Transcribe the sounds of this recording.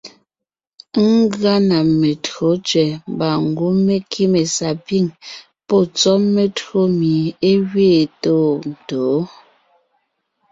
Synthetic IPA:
ŋ˦ɡɰa˦na˨me˨tɰo˨˦t͡ʃɥɛ˨m˦ba˨ŋ˨ɡu˦me˦kʰi˦me˨sa˨pi˦˨ŋ | pɔ˦˨t͡sɔ˦me˦tɰo˦mi˨e˦ɣɥeː˦˨toː˦˨n̩˨toː˨˦

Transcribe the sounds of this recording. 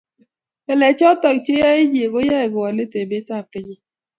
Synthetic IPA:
ɛ˨lɛ˨t͡ʃɔ˦tɔ˨k̚t͡ʃe˦ja˦ɪ˦ɲje˨ɡo˦ja˦˨ɡwɔ˨lɪ˦te˨bɪ˦ta˦˨pɪ˦ɲɔ˦

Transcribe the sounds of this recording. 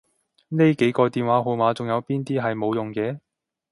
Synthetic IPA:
ne˥jke˨˥jkɔː˧t̪iː˨nwaː˨˥ɦo˨˧wmaː˨˥t͡sʊ˨˩ŋjɐ˨˧wpiː˥nt̪iː˥ɦɐ˨jmo˨˧wjʊ˨ŋkɛː˧

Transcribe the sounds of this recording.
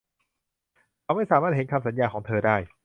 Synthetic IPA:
a˧wma˥˩jsaː˨˦maː˥˩t̪̚he˩˦nkʰa˧msa˨˩˦njaː˧kʰɔː˩˦ŋt̪ʰɤː˧daː˥˩j

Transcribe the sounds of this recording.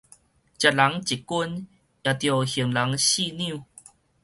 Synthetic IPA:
t͡ɕja˨˩t̚la˨˦ŋt͡ɕi˨˩ku˦n | ja˨t̪jo˨hi˨˩əŋla˨˦ŋɕi˥˧njĩ˥˧˨

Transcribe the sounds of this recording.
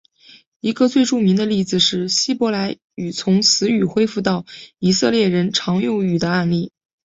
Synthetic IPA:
i˧˥ɡə˧t͡swe˥˧ɪʈ͡ʂu˥˩mi˧˥ŋd̪ə˧li˥˩d͡zɹ̩˨˩ʂɻ̩˥˩ɕi˥pwɔ˧˥la˧˥ɪ | y˨˩t͡sʰʊ˧˥ŋsɹ̩˧˥y˨˩xwe˥ɪfu˥˧t̪ɑ˥˩ʊi˨˩sɤ˥˧ljɛ˥˩ɻə˧˥nʈ͡ʂʰɑ˧˥ŋjʊ˥˩y˨˩d̪ə˦a˥˧nli˥˩

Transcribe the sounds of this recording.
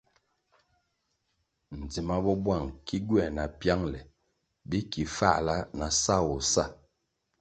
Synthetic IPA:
n̩˨d͡zi˨ma˦bɔ˦bwa˦˨ŋki˦ɡɥɛ˦˨na˨pja˦ŋlɛ˨ | bi˦ki˨fa̰˦˨ʔla˦na˨sa˦wɔ˨sa˦˨

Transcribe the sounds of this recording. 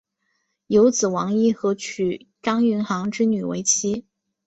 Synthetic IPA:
jo˧˥ʊt͡sɹ̩˨˩wɑ˧˥ŋi˥˩xɤ˧˥t͡ɕʰy˨˩ʈ͡ʂɑ˥ŋy˧˥nxɑ˧˥ŋʈ͡ʂɻ̩˥ny˨˩wḛ˧˥ɪt͡ɕʰi˥

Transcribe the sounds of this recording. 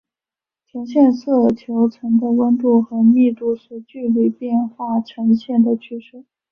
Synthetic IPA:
t͡ɕʰjɛ˧˥nɕjɛ˥˧nsɤ˥˩t͡ɕʰjo˧˥ʊʈ͡ʂʰə˧˥ŋd̪ə˧wə˥nt̪u˥˩xɤ˧˥mi˥˧t̪u˥˩ʂɔ˨˩t͡ɕy˥˧li˨˩pjɛ˥˧nxwa˥˩ʈ͡ʂʰɤ˧˥ŋɕjɛ˥˩nd̪ə˩t͡ɕʰy˥˧ʂɻ̩˥˩

